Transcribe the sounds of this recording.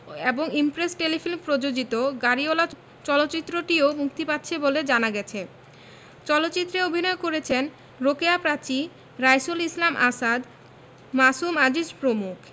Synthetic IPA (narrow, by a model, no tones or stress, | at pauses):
eboŋimpɾesʈelifilmpɾod͡ʑod͡ʑit̪oɡaɾiola | t͡ɕɔlotːt͡ɕit̪ːɾoʈiomukt̪ipatːɕʰeboled͡ʑanaɡɛt͡ɕʰe | t͡ɕɔlot̪ːɕit̪ːɾeobʱinɔekoɾet͡ɕʰen | ɾokeapɾat͡ɕi | ɾajsolislamʔa̰sad̪ | masumad͡ʑiʃpɾomukʰ